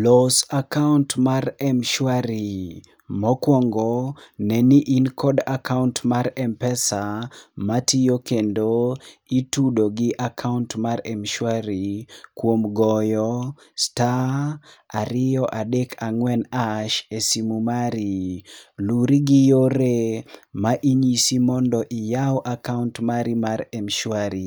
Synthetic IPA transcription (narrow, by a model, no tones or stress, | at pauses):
lɔsakauntmarɛmʃwaɾi | mɔkwɔŋɡɔnɛniʔinkɔdakauntmaɾɛmpɛsamatijokendoitudoɡiʔakʰauntmarɛmʃwaɾikwomɡɔjɔ | sta | aɾɪjɔʔadekʰaŋwɛnaʃesimumaɾiluɾiɡijoɾemaʔiɲisimɔndɔʔijawʔakauntmaɾimaɾɛmʃwaɾi